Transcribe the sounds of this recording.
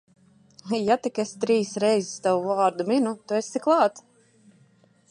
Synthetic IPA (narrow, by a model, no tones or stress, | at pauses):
jat̪ikest̪ɾiːsɾɛjzist̪avuvaːɾd̪uminut̪uest̪iklˠɑːt̪